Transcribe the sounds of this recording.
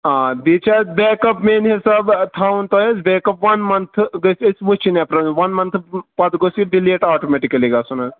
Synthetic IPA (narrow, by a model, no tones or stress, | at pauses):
ãd̪it͡ʃʰɐbeːkɐpmenɦisɐbt̪ʰawnt̪oezbeːkɐpʋɐnmɐnt̪ʰɡɐsesʋut͡ʃʰinepɾɐnʋɐnmɐnt̪ʰpɐt̪ɡosiɖileʈaːʈomeʈikɐliɡɐsɐnɐz